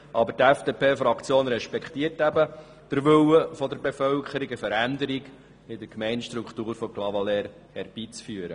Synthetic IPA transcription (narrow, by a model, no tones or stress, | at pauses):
ʔɑbətæfd̥epʰeːfɾɑkχt͡sjoːnɾɛʃpɛkχt̪iːəɾtæbə | d̥əɾʋʏwəfɔd̪əɾbefœlkχəɾiɡəfəɾænd̪əɾiɡ | ɪd̥əɾkmɛjnʃtɾukχt̪uːɾfɔklɑvɑlɛɾ | hɛɾb̥iːt͡sfyːəɾə